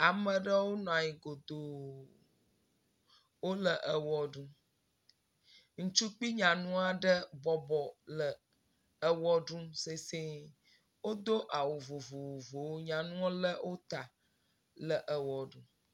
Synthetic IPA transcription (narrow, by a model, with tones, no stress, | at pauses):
a˨mə̃˨ɖə˦wo˦nɔ̃˨a˨ɲi˨ɡo˨d̪o˨ | wo˦lə˨ʔə˨wɔ˨ɖũ˦ | ŋ̩̃˦t͡ʃu˦k͡pi˦ɲã˨nũ˦a˨ɖə˦bɔ˨bɔ˨lə˨ | ə˨wɔ˦ɖũ˦se˨se˦ | wo˦d̪o˦ʔa˨wo˨vo˨vo˨vo˨vo˨wo˦ɲã˨nũ˦ɔ˦lə˦wʔo˦t̪a˨ | lə˨ʔə˨wɔ˨ɖũ˦